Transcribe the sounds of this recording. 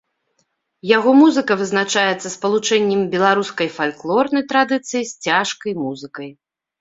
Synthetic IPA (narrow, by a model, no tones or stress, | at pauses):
jaɣɔmuzɨkɐvɨznat͡ʂajɛt̪sːɐspɐlˠut͡ʂɛnʲːɛmbʲɛlˠaɾuskɐjfalʲklˠɔrnɐjt̪ɾad̪ɨt̪sɨjisʲt͡sʲaʂkɐjmuzɨkɐj